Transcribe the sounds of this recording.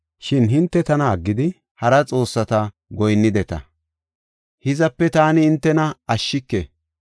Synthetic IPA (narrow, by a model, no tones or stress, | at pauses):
ʃɪnɦɪnt̪ːɛt̪ɐnɐːɡːɪd̪ɪ | hɐɾɐt͡sʼo̞ːsːɐt̪ɐ | ɡɔjnːɪd̪ɛt̪ɐ̰ | hɪzɐpːɛt̪aːnɪːnt̪ːɛnɐɐʃːɪkːḛ